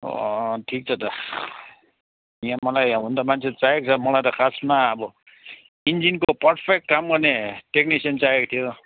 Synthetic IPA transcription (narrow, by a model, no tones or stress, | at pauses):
o̰ʈʰik̚t͡sʰʌt̪ʌ | ijãmʌlajɦũnd̪amant͡sʰet͡saɦek̚t͡sʰʌmʌlajt̪ʌkʰasmaʌbʌ | ind͡zinkopʌɾpʰek̚ʈkamɡʌneʈek̚nisʌnt͡saekt̪ʰijo